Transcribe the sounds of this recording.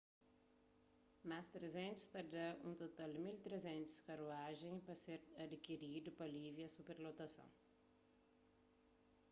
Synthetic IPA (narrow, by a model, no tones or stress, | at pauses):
mast̪ɾezẽnt̪u̥st̪ɐd̪ɐũt̪ot̪ald̪milt̪ɾezẽnt̪u̥skɐɾuaʒẽj̃pɐseɾɐd̪ikiɾid̪ʊpɐlivjɐsupeɾlot̪ɐsɐ̰̃w̃